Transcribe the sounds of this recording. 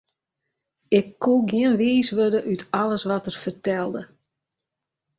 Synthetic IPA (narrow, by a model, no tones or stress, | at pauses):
ɪkːuɡiənʋiːsʋødəʔytɑləsʋɔtərfərtɛlˠdə